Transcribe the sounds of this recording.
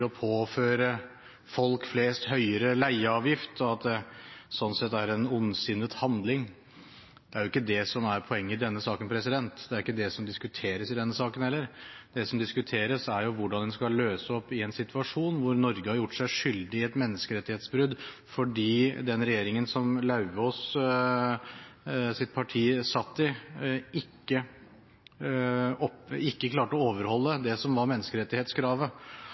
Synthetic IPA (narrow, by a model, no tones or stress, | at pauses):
ɾɔpʰoːføːɾə | fɔlkfleːst̪hœʏəɾəlæɪəɑːʋjɪft̪ɔɑt̪̚d̪ɛsɔnːsɛt̪ːæɾɛnʊnsʏnːət̪hɑnd̪lɪŋ | d̪̥ɛæɾjʊɪkːəd̪ɛsɔmæɾpʰɔɛŋːəɪd̪ɛnːəsɑːkənpʰɾɛsɪd̪ɛnt̪d̪ɛæɾɪkːəd̪ɛsɔmd̪ɪskʉt̪ʰeːɾəsɪd̪ɛnːəsɑːkən̩hɛlːəɾd̪ɛsɔmd̪ɪskʉt̪ʰeːɾəsæɾjʊʋʊɖɑnd̪ɛnskɑløːsəɔpːɪɛnsɪt̪ʉɑʂuːnʋʊɾnɔɾɡəhɑɾjʊʈːʂæɪʂʏld̪ɪɛt̪mɛnːəskəɾɛt̪ːɪheːt̪sbɾʉd̪fɔɖiːd̪ɛnɾɛjeːɾɪŋənsɔmlɑʉɔs | sɪt̪̚pʰɑʈʰiːəsɑt̪ːɪɪkːə | ɔpɪkːəkʰlɑːʈəɔoːʋəɾhɔlːəd̪ɛsɔmʋɑɾmɛnːəskəɾɛt̪ːɪheːt̪skʰɾɑːʋə